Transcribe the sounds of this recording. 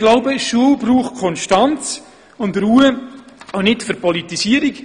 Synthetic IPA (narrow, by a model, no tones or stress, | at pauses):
ɡlaʊbəʃuəlbɾuːχkʰɔnʃtant͡s | ʊndɾuːə | anɪtfʏɾpɔlitisiəɾik